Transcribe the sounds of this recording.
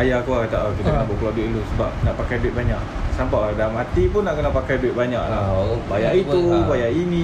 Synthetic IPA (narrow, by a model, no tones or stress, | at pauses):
ajakuakat̪aʔokit̪akənabokəladoilusəbap̚naʔpakajbɛt̪̚baɲaʔ | sampaʔdalamat̪ipʊnːaʔkənapakajbɛʔ̪̚baɲaʔlabajaʔit̪ubajainĩ